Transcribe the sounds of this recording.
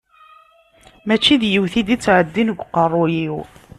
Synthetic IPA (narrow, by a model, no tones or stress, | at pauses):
mæt͡ʃːiðjəwθid̪it͡sːʕəd̪ːinəɡʷqərˤːʊjiw